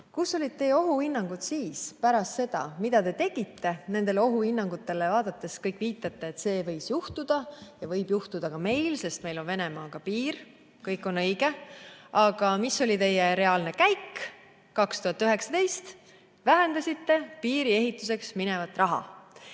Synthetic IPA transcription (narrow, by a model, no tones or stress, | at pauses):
kusːo̞lʲid̪̚t̪ːe̞jeo̞ɦuhinːɑŋɡ̥ut̪siːspæɾɑst̪se̞d̪̥ɑ̰mid̪̥ɑt̪e̞t̪e̞ɡ̥it̪ːe̞ne̞nd̪̥e̞leo̞ɦuhinːɑŋɡut̪ːˑe̞le̞vɑːd̪̥ɑt̪ːˑe̞skɤjkːˑviːt̪ːˑɑt̪ːe̞ːt̪se̞ːvɤ̞jsjuht̪ud̪̥ɑjɑvɤjb̥juht̪ud̪ɑkɑme̞jlse̞st̪me̞jlo̞nve̞ne̞mɑːkɑpiːr | kɤjkːˑo̞nɤjɡ̥e̞ɑɡ̥ɑmiso̞lʲit̪e̞jːeɾe̞ɑːlne̞kæjkː | ɑkst̪uhɑt̪ˑːyɦe̞ksɑ̥t̪e̞jst̪ | væɦend̪ɑsit̪ːe̞piːɾie̞ɦit̪ːˑus̬e̞ksmine̞vɑt̪ːˑrɑɦɑ̰